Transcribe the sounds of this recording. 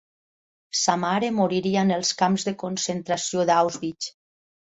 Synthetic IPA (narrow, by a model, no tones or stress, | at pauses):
samaɾemoɾiɾianelˠskamzðekonsent̪ɾasioðawzβit͡ʃ